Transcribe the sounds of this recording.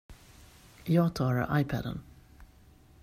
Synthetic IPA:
jɑːɡt̪ʰɑːɾa̰ɾʔajpʰæd̪ə̰n

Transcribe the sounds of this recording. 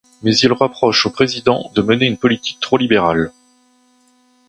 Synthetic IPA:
mɛzilʁəpχɔʃopχezid̪ɑ̃d̪əməneynpɔlit̪i̥k̚t̪χolibeʁal

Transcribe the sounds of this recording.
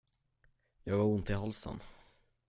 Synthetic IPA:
jɑːɡvaɾʊnt̪ɪɦalsə̰n

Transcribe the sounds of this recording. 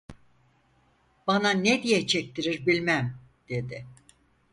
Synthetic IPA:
b̥ananed̪ijɛt͡ʃʰɛc̚t̪ʰiɾiɾbilʲmæm | d̪̥e̞d̪ɪ

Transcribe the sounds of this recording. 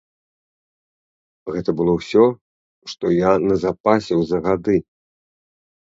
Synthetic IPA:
ɣɛt̪ɐbɨlˠɔwsʲɔ | ʂt̪ɔjanɐzapasʲiwzɐɣad̪ɨ

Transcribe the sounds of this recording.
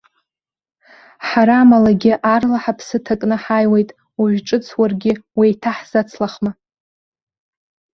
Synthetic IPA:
ħaɾaːmalaɡʲɪʔarlaħapʰsɨtʰakʼnɨħajwejtʼ | uʒʷᶣʈ͡ʂʼɨt͡sʰwarɡʲɪwitʰaħz̥at͡sʰlaχma

